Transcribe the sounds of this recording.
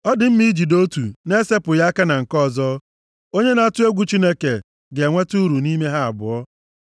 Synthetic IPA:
ɔ˦dɪ˨m̩˦mi˦i˦d͡ʒi˨do˦tu˨ne˦se˦pʊ˨ja˦ka˦na˨ŋ̩˨kɔ˦˨zɔ˦ | o˦ɲe˦na˨a˦˨tʊ˦e˦ɡʷu˨t͡ʃi˦ne˦ke˨ | ɡe˨ŋʷe˦tu˦ɾu˨ni˦me˦ɦa˦a̰˨bʊ˨ɔ˦

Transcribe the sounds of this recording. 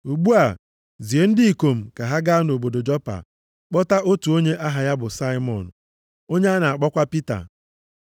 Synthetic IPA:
u˨ɡ͡bu˦a˨ | zi˨e˦n̩˦di˦i˨ko˨m̩˨ka˨ɦa˦ɡa˦no˨bo˨do˨d͡ʒɔ˦pa̰˨ | k͡pɔ˦ta˦ʔo˦tu˨o˦ɲe˦ʔa˦ɦa˨ja˦bʊ˨sa˦ɪ˦mɔ̰˨n̩˨ | o˦ɲe˦a˦na˨a˨k͡pɔ˦kʷa˦pi˦ta̰˨

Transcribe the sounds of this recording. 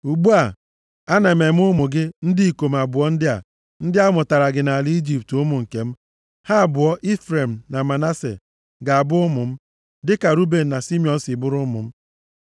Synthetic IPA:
u˨ɡ͡bu˦a˦˨ | a˦na˨e˨me˨˦m̩˦ʊ˦mʊ˨ɡɪ˦n̩˦di˦i˨ko˨m̩˨a˨bʊ˨ɔ˦n̩˦dɪ˦a̰˨ | n̩˦dɪ˦a˦mʊ˨ta˨ɾa˨ɡɪ˨na˨a˨lɪ˦i˦d͡ʒi˨p̚tʊ˦mʊ˨ŋ̩˨ke˨m̩˦ | ha˦˨bʊ˨ɔ˦ʔi˦fɾe˨m̩˨na˨ma˨na˦sḛ˨ | ɡa˨a˨bʊ˦ʊ˦mʊ˨m̩˦ | dɪ˦ka˨ɾu˦be˨n̩˨na˨si˦mjɔ˨n̩˦sɪ˨bʊ˦ɾʊ˦mʊ̰˨m̩˦

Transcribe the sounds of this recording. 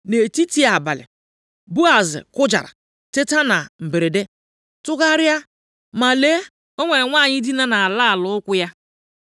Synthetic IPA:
ne˨ti˦ti˦a˨ba˨lɪ̰˨ | bu˦a˨zɪ̰˨kʊ˦d͡ʒa̰˨ɾa̰˨ | te˦ta˦na˨m̩˨be˨ɾe˨de˦ | tʊ˦ka˦ɾja˦ | ma˨le˦ | o˦ŋʷe˨ŋʷa˦˨ɲɪ˦di˦na˦na˨a˨la˦a˨lʊ˦kʷʊ˦ja˦

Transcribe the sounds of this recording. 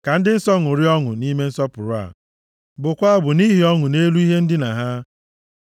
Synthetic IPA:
ka˨n̩˦dɪ˦n̩˦sɔ˦ŋʊ˨ɾi˦ɔ˦ŋʊ̰˨ni˦me˦n̩˦sɔ˦pʊ˨ɾʊ˨˦a̰˨ | bʊ˨kʷa˦a˦˨bʊ˨ni˦ɦi˨ɔ˦ŋʊ˨ne˦lu˦i˦ɦe˦n̩˦dɪ˦na˨ɦa˦

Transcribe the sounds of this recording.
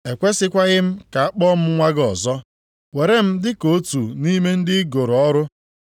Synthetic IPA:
e˨kʷe˦sɪ˦kʷa˦ɣɪ˦m̩˦ka˨a˦k͡pɔ˦m̩˦ŋʷa˦ɡɔ˨zɔ˦ | we˨ɾe˦m̩˦dɪ˦ko˦tu˨ni˦me˦n̩˦dɪ˦ɡo˨ɾɔ˦ɾʊ˦

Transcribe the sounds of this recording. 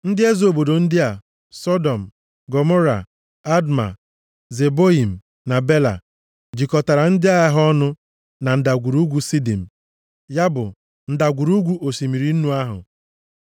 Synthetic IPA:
n̩˦dɪ˦e˦zo˨bo˨do˨n̩˦dɪ˦a˨ | sɔ˦dɔ˨m̩˨ | ɡɔ˨mɔ˦ɾa̰˨ | a˦dma̰˨ | ze˨bo˦i˨m̩˨ | na˨be˦la̰˨ | d͡ʒi˨kɔ˨ta˨ɾa˨n̩˦dɪ˦a˦ja˦ɦɔ˦nʊ˦ | na˨n̩˨da˨ɡʷu˨ɾu˦ɡʷu˦si˦di˨m̩˨ | ja˦bʊ̰˨ | n̩˦da˨ɡʷu˨ɾu˦ɡʷu˦ʔo˨si˨mi˨ɾi˨˦n̩˦nu˦a˦ɦʊ̰˨

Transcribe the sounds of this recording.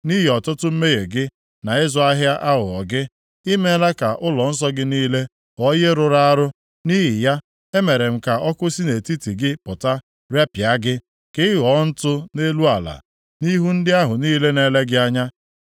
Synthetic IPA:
ni˦ɦi˨ɔ˨tʊ˦tʊ˦m̩˦me˦ɣe˨ɡɪ˦ | na˨ɪ˦zʊ˦a˦ɦja˦ʔa˦ɦʊ˨ɔ˨ɡɪ˦ | i˦me˦la˦ka˨ʔʊ˦lɔ˨n̩˦s̬ɔ˦ɡɪ˦niː˦le˦ | ɔ˦je˦ɾʊ˨ɾa˦a˦ɾʊ˦ | ni˦ɦɪ˨ja˦ | e˦me˨ɾe˨m̩˨ka˨ʔɔ˦kʊ˦si˦ne˨ti˦ti˨ɡɪ˦pʊ˨ta˦ | ɾe˦pja˦ɡɪ˦ | kɪ˦ɣɔ˨˦n̩˦tʊ˦ne˦lu˦a˨la̰˨ | ni˦ɦu˦n̩˦dɪ˦a˦ɦʊ˨niː˦le˦ne˦le˦ɡɪ˦a˦ɲa˦

